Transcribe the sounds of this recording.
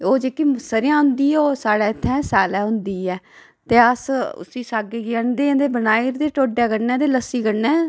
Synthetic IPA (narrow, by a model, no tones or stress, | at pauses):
oːd͡ʒeːkiːsəɾɪjãːɦʊ̃nd̪iːɛoːsaːɽɛːɪt̪ʰːɛ̃ːsaːlɛːɦʊnd̪iːɛː | t̪eːəsʊ̰siːsaːɡeːɡɪəɳd̪ẽːd̪eːbənaːiɾd̪eːʈoːɖɛːɡəɽnɛ̃ːt̪eːləsiːɡəɽnɛː